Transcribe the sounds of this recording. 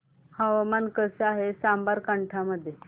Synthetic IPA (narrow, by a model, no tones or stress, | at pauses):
haʋamankəseaɦesambaɾkəɳʈʰaməd̪ʱːje